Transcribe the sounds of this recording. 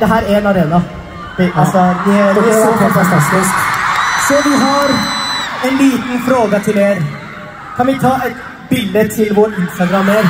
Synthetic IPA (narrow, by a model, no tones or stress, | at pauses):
d̪ɛɦæːɾæɾɛnɑɾeːnɑ | ɑlsɔd̪ɛɪɔfɑfɑnt̪ʰɑst̪ɪsksɔʋɪɦɑɾ | ɛnliːt̪n̩fɾoːɡət̪ʰɪleːɾ | kʰɑnʋɪt̪ʰɑːʔɛt̪ | bɪld̪ət̪ʰɪlʋoːɾɪnst̪ɑɡɾɑmːeːɾ